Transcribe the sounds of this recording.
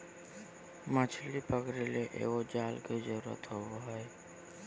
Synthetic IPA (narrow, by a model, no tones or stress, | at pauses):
mət͡ʃʰlipəkɾeleʔḛːɡod͡ʒaːlked͡ʒəɾuɾə̰t̪ɦoboɦɔe